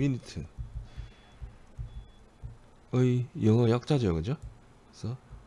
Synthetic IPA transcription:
minitʰɯ | ʌijʌŋʌjak̚t͡ɕ͈ad͡ʑʌjokɯd͡ʑo | sʰʌ

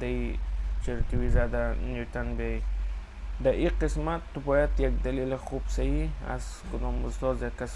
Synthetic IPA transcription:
d̪ait͡ʃʰeɾt̪iwizad̪anjut̪ʰanbe | d̪aʔiqismat̪ːubɔjad̪jak̚d̪alilaχubsaia̰z̥kʊd̪ɔmuzsɔzjakːas

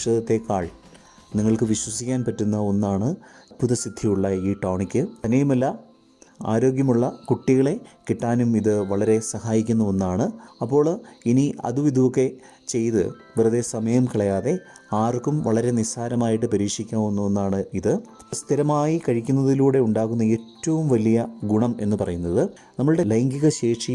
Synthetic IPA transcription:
ʂɐðɐt̪ːe̞kːaːɭ | niŋːɐɭkɨʋiɕwɐsikʲːaːnpɐtːunːɐo̞nːaːɳɨpuðɐsid̪ʱːijuɭːɐiːʈoːɳikʲːɨɐnejumɐlːɐ | a̰ːɾo̞ːɡʲjɐmuɭːɐkuʈːiɣɐɭe̞kiʈːaːnumiðɨʋɐɭɐɾe̞sɐhaːjikʲːunːɐenːaːɳɨɐpːo̞ːɭiniʔɐ̰ðuʋid̪ʱuʋokːe̞ | t͡ɕe̞jt̪ɨ̰ | ʋirɐðe̞sɐmɐjɐmkiɭɐjaːðe̞ | aːrkumʋɐɭɐɾe̞nisaːnɐmaːjiʈːɨpɐɾiːkʂikʲːaːonːuʋenːaːɳɨiðɨ | st̪ʰiɾɐmaːjikɐɻikʲːunːɐðiluːɽe̞uɳɖaːɣunːɐeːtːɐʋumʋɐlijɐɡuɳɐme̞nːɨpɐrɐjunːɐðɨ | nɐmːɐɭɨɽe̞leŋɡiɣɐɕe̞ːʂi

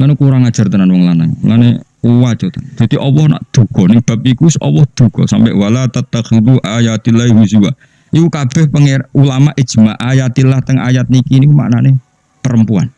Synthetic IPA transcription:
lanukuɾaŋad̥ʒ̥a̤rt̪ənanwɔŋlanaŋlanekuwad͡ʒɔt̪ɔnd̪̥a̤t̪iʔɔwɔhna̰ʔd̪̥ṳɡ̥ɔnɪŋb̥a̤p̚ikusɔ̰wɔhd̪̥ṳɡ̥ɔsampɛʔwalat̪at̪ːaxid̪uʔajat̪ilaiwis̬iwa̰ | ikukab̥ɛhpəŋeulamaʔi̥d͡ʒ̥maʔajat̪ilaht̪əŋa̰jat̪̚nikinikuma̰ʔnane | pəɾəmpua̰n

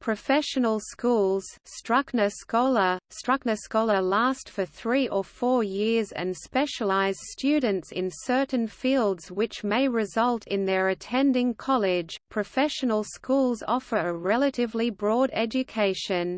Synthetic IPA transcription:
pʰɹ̥ɨfɛʃɨnəl̩ˠskulˠz̥stɹ̥ʌknɨskɔlˠəstɹ̥ʌk̚nɨskɔlˠə˞læstfə˞θɹiʔə˞ffɔɹjɪɹzɨ̰̃nspɛʃəlˠaɪz̥d̥stʉdⁿn̩tsɪ̰̃nsɜ˞ʔn̩filˠdz̥wɨt͡ʃmeɪɹɨzʌlˠtʰɪ̃nðə˞ɨtʰɛ̃ndɪ̃ŋkʰɑlˠɪd̥ʒ̥pʰɹ̥ɨfɛʃɨnəl̩ˠskulˠzɑfə˞ɨɹɛlˠəɾɨvlibɹɔɾɛd͡ʒɨkʰeɪʃɨ̃n

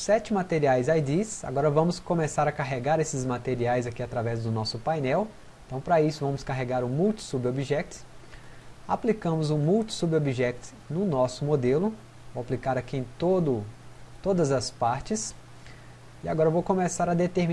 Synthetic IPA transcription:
sɛt͡ʃɪmat̪eɾiajzajd̪isa̰ɡɔɾɐvɐ̃mʊskõmesaɾɐkaɦeɡaɾesɪzmat̪eɾiajzakiat̪ɾavɛzd̪ʊnɔsʊpajnɛw | ẽt̪ɐ̃w̃pɾɐisʊvɐ̃mʊskaɦeɡaɾʊmuwt͡ʃi̥subiobiʒɛk̚t̪ʊ̥ | aplikɐ̃mʊzʊmuwt͡ʃɪ̥subobiʒɛk̚t̪ʊ̥ | nʊnɔsʊmod̪elʊ | waplikaɾakiẽj̃t̪od̪ʊt̪od̪ɐzɐspaɾt͡ʃɪs | iaɡɔɾɐvowkõmesaɾɐd̪et̪eɾmi

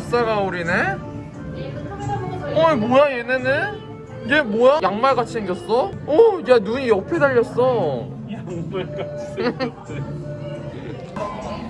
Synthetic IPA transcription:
s͈aɡauɾine | ʌmujaenɯnɯn | id͡ʑemojajaŋmaɭɡat͡ɕʰiɯŋɡjʌs͈ʌʌt͡ɕanuɲijʌpʰedaʎːʌs͈ʌ

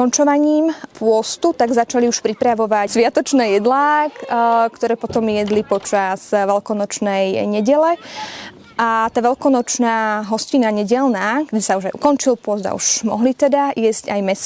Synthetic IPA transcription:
ɔnt͡ʃɔʋaɲiːmpʊɔst̪ut̪aɡzat͡ʃaliuʃpɾipɾaʋɔʋasʋɪat̪ɔt͡ʃnɛːjɛd̪laːkkt̪ɔɾɛːpɔt̪ɔmjɛd̪lipɔt͡ʃaz̥ʋɛlkɔnɔt͡ʃnɛjɲɛɟɛlɛ | at̪aːʋɛlkɔnɔt͡ʃnaːɦɔscinaɲɛɟɛlnaːɡd̪ɛsauʒajṵkɔnt͡ʃilpʊɔzd̪a̰ṵʒmɔ̰ɦlit̪ɛd̪aʔɪɛzcajmɛs

